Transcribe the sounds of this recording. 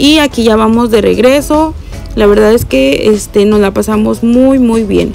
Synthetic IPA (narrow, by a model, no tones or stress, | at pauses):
iakiʝaβamo̞zðe̞re̞̰ɣɾe̞so̞ | laβe̞ɾðaðe̞ske̞est̪e̞no̞zlapasamo̞zmujmujβje̞̰n